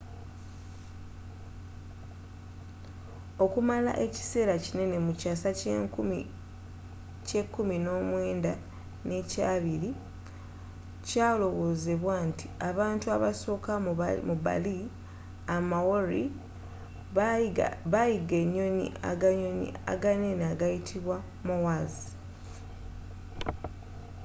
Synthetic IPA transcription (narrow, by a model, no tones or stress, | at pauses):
o̞kumala̰ʔe̞ci̥se̞ːɾacine̞ne̞mucasa | ce̞kːumino̞ːmwe̞ːnda | ne̞caːβiɾi | caːlo̞ɣo̞ːzeβwantʰi̥aβaːntuaβaso̞ːkamuba̰li | amawoɾi | βajiɡe̞ɲːo̞nḭa̰ɡaɲonḭa̰ɡane̞naɡajitʰiβwa | muwazi